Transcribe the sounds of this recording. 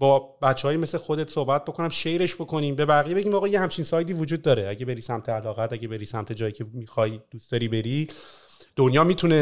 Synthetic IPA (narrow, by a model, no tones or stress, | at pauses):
bɒːbæt̪t͡ʃːehːjime̞slexo̞d̪et̪ʰsohbæt̪̚bo̞kʰo̞næmʃe̞jɾe̞ʃbo̞kʰo̞niːmbe̞bæɣijebe̞ɟiːmɒːɣɒːjehæmt͡ʃʰiːnsɒːjd̪iːvod͡ʒuːd̪̚ːɒːɾeæɟe̞beɾiːsæmt̪ʰeælɒːɣæt̪æɟebe̞ɾisæmt̪ʰe̞d͡ʒɒːjicʰemixɒjd̪̥uːsd̪̥ɒːɾiːbe̞ɾi | d̪̥onjɒːmiːt̪ʰune